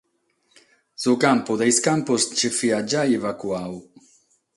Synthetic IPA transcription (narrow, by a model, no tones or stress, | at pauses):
sukampʊd̪ejskampust͡ʃefiad͡ʒaevakuaw